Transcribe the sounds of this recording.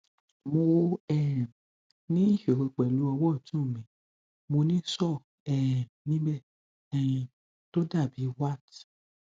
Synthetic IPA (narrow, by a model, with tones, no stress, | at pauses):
mo˧˦ɛ˦˨ɾ̃ | nĩ˦i˦˨ʃe˨ɾe˧k͡pɛ˨lu˨˦ɔ˧wɔ˦˨tũ˨˦˨mĩ˨ | mo˧nĩ˦sɔ˦˨ | ɛ˨ɾ̃nĩ˦bɛ˦˨ | ɛ˨j̃ĩ˧ | to˦da˦˨bi˨˦wa˦˨t